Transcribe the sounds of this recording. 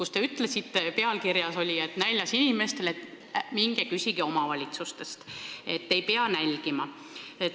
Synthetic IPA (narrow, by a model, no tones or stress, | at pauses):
kust̪e̞yt̪ːˑle̞sit̪ːe̞pe̞ɑlkirjɑso̞lʲiet̪nælʲːjɑsinʲime̞st̪e̞let̪ | miŋɡ̥ekysʲiɡ̥io̞mɑvɑlʲit̪sust̪e̞st̪e̞t̪ːe̞jpeɑnælʲɡ̥imɑ | e